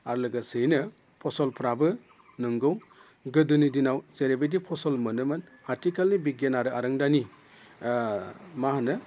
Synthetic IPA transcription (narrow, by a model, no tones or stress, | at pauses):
aɾlɯɡasɯjnɯ | pʰɔsɔlpʰɾabɯ | nɯŋɡɯw | ɡɯdunidinawzeɾebedipʰɔsɔlmɯnɯmɯn | aɾtikalnibiɡenaɾɯaɾɯŋdani | maɦanɯ